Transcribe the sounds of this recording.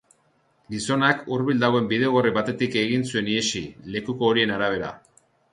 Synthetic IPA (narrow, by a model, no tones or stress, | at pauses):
ɡiso̞nakuɾβild̪aɣoe̞mbiðe̞oɣ̞oriβat̪e̞t̪ike̞ɣinsue̞niesile̞kuko̞ːɾie̞naɾaβ̞e̞ɾa̰